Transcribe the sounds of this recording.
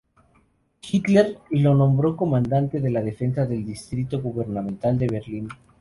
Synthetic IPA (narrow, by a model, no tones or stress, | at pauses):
xit̪leɾlo̞nõ̞mbɾo̞ko̞mãnd̪ant̪eðe̞lað̞e̞fe̞nsaðe̞ld̪ist̪ɾit̪oɣuβeɾnamẽnt̪ald̪e̞β̞eɾlin